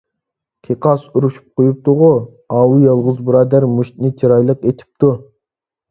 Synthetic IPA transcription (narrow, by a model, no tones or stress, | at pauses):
kʲʰeqʰɑsuɾuʃu̥p̚qʰojup̚t̪ʊʁʊ | ɑːwujɑlˠʁʊzbɨɾɑːd̪æɾmuʃt̪nɪt͡ʃʰiɾɑjlˠəqet̪ʰi̥p̚t̪ʰu